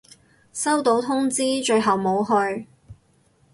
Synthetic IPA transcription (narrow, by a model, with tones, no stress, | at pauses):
sɐ˥wt̪o˨˥wt̪ʰʊ˥ŋt͡siː˥t͡ʃɵ˧ɥɦɐ˨wmo˨˧wɦɵ˧ɥ